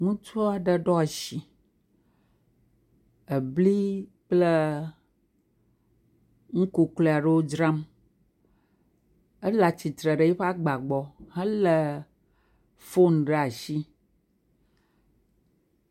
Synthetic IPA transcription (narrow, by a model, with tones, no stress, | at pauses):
ŋũ˦t͡ʃu˦a˨ɖə˨ɖɔ˦a˨ʃi˨ | ə˨bli˦ | k͡plɛ˦ | ŋ̩˦ku˨kle˦a˨ɖə˦wo˦d͡ʒɾa˦m | ə˦la˨t͡ɕi˨t̪ɾə˨ɖə˨jɛ˦ɸa˦ɡ͡ba˨ɡ͡bɔ˦hɛ̃˦lə˨ | fo˦n˨ɖe˦˨a˨ʃi˦